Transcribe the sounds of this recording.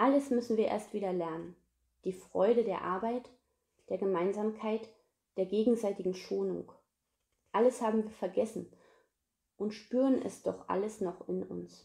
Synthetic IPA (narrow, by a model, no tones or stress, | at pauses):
ʔaləsmʏsn̩viːɐʔḛːɐstv̥iːdɐlɛɐnən | d̥iːfʁ̥ɔʏɾədeːɐʔa̰ɐbaɪt | d̥eːɐɡəmaɪnzaːmkʰaɪt | d̥eːɐɡeːɡŋ̩zaɪtɪɡŋ̩ʃoːnʊ̰ŋk | ʔaləshaːbm̩viːɐfɛɐɡɛsn̩ | ʔʊntʃpyːʁənʔɛ̰sd̥ɔ̰χʔa̰ləsnɔχɪnʊ̰ns